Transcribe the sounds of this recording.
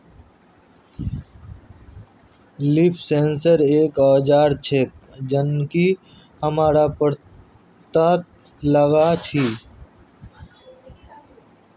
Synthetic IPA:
lipʰsẽːnsəɾeːkaːd͡ʒaːɾt͡ʃʰek̚d͡ʒənki | həmaːɾapəɾ | t̪at̪ | ləɡat͡ʃʰiː

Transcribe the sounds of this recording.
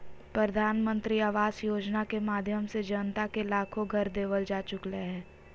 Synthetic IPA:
pɾəd̪ʱaːnmə̃nt̪ɾiaːʋaːzjoːd͡ʒnakemaːd̪ʱjəmsed͡ʒənt̪akelaːkʰõɡʱɐɾd̪eːʋəld͡ʒaːt͡ʃʊkleɦɛ̃ː

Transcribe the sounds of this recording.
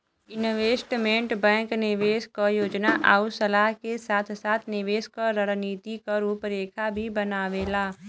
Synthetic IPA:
ɪnʋeːsʈmẽːɳʈbɛ̃ːŋknɪʋeːskajoːd͡ʒnaʔaːusəlaːɦkesaːt̪ʰsaːt̪ʰnɪʋeːskaɾəɾniːt̪ikaɾuːpɾeːkʰabʱibənaːʋeːlaː

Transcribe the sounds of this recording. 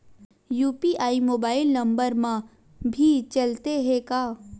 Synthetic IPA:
juːpiʔaːimoːbaːɪlnɐ̃mbəɾmã | bʱit͡ʃɐlt̪eɦekaː

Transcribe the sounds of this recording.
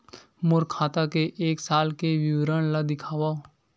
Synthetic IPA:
mʊɾkʰaːt̪akeʔeːksaːlkeʋiwɾəɳ̃lad̪ɪkʰaːʋao

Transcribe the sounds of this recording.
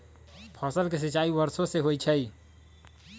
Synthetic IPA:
pʰɔsəlkes̬it͡ʃaibəɾsoseɦojt͡ʃʰəj

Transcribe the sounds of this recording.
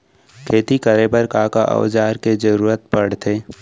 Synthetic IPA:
kʰeːt̪ikəɾebɐɾkaːkaʔɐ̰wd͡ʒaːɾked͡ʒəɾuːɾət̪̚pɐɽ̤t̪ʰeː

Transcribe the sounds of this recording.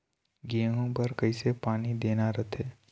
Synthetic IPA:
ɡiəɦõpɐɾkɐisepaːnid̪eːnaɾət̪ʰeː

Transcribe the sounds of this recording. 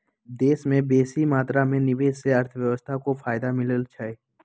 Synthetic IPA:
d̪eːsmẽbeːsimaːt̪ɾamẽnɪʋeːsseɐɾt̪ʰəʋjəʋəst̪ʰakofaːɪd̪amɪləlt͡ʃʰaeː

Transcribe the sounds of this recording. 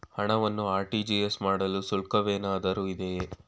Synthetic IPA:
hɐɳɐʋɐnːuaːɾʈiːd͡ʒiːesmaːɽɐlusulkɐʋeːnaːd̪ɐɾuid̪ee

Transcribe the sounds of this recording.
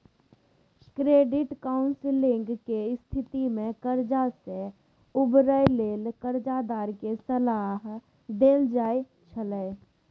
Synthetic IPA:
kɾeːɖɪʈkaːʊnsɪlɪ̃ŋɡkest̪ʰɪt̪imẽkəɾd͡ʒase | ʊbɾəjleːlkəɾd͡ʒad̪aːɾkesəlaːɦ | d̪eːld͡ʒaːe | t͡ʃʰələː

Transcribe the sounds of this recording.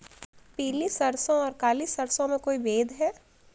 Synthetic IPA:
piːlisɐɾsõɔːɾkaːlisɐɾsõmẽkoːibeːd̪ʱɦɛː

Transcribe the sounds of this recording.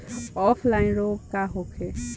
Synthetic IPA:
ɔpʰlainɾokaɦokʰe

